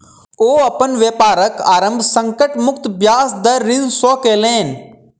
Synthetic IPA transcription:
oːɐpənʋjeːpaːɾəkaːɾə̃mbʱsə̃ŋkəʈmʊk̚t̪bjaːsd̪ɐɾːɪnsoːkeːlẽːn

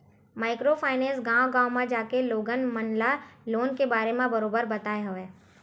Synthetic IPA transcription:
maːɪkɾopʰaːɪnẽːsɡãːwɡãːmãd͡ʒaːkeloːɡənmənlaloːnkebaːɾemẽbɐɾoːbəɾbɐt̪aːeɦɐʋeː

